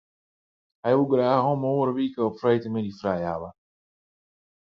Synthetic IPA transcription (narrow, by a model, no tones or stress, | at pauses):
ɦɛjʋuɡraːɦɔmoːɾəʋiːkəɔpfrɛjtəmɛdifrɛja̰wə